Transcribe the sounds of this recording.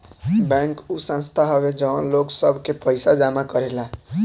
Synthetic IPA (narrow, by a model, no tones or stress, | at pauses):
bɛ̃ŋkusə̃nst̪ʰaɦɔbed͡ʒənloɡsəbʱkepəɪsad͡ʒamakəɾela